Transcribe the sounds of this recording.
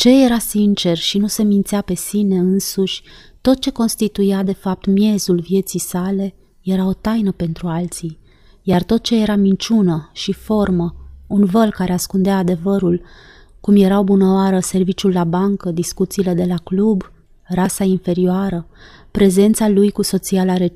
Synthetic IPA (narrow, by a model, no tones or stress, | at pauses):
t͡ʃe̞je̞ɾasint͡ʃe̞rʃinuse̞mint̪seape̞sine̞ɨnsuʃʲt̪o̞t̪̚t͡ʃe̞ko̞nst̪it̪ujad̪e̞fap̚t̪mje̞zulvje̞t̪sijsale̞ | je̞ɾao̞t̪ajnəpe̞nt̪ɾualt̪si | jart̪o̞t̪̚t͡ʃe̞je̞ɾamint͡ʃunəʃifo̞rməunvəlkaɾe̞askund̪eaːd̪e̞vəɾul | kumje̞ɾaobunəoaɾəse̞rvit͡ʃulːabaŋkəd̪iskut̪siːle̞d̪e̞laklub | rasainfe̞ɾioaɾə | pɾe̞ze̞nt̪salujkuso̞t̪sialaɾe